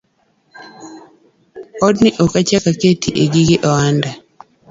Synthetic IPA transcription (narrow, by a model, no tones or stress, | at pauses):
ɔdnɪʔɔkat͡ʃakaketiʔeɡiɡɪʔɔanda